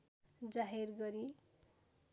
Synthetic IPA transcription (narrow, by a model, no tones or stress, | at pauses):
d͡zaɦirɡʌɾi